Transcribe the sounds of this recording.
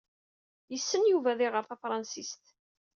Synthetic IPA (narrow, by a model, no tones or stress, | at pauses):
jəsːənjuvæðiʁəɾθæfɾˤɑnsist̪